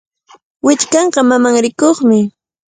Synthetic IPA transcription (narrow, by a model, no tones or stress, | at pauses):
wɪt͡ʃkɑɴɢɑmamaŋɾɪkoχmɪ